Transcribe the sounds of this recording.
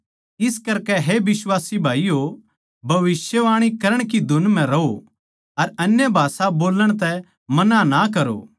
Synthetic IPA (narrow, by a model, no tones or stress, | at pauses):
ɪskɐɾkɛɦebɪswaːsibʱaːijo | bʱɐʋɪsjəʋaːɽ̃ikɐɾəɽ̃kid̪ʱʊnmɛ̃ɾɐo | ɐɾɐnjəbʱaːsaboːləɽ̃t̪ɛ | mɐnãnakɐɾo̰ː